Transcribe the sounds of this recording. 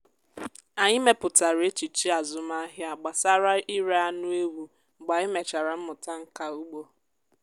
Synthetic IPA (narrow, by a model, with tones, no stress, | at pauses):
a˨ɲɪ˦me˦pʊ˨ta˨ɾe˦t͡ʃi˨t͡ʃi˦a˨zʊ˨ma˦ɦja˨ɡ͡ba˨sa˦ɾa˦i˦ɾe˦a˦nʊ˦e˦wu˦˨ | ɡ͡ba˨ɪ˦me˨t͡ʃa˨ɾa˨m̩˦mʊ˨ta˦ŋ̩˦ka˦u˦ɡ͡bo˦